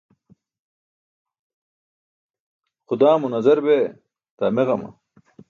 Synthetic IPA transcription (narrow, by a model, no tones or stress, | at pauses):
xʊd̪aːmunɐzɐɾbeː | t̪ɐmeʁɐmɐ̰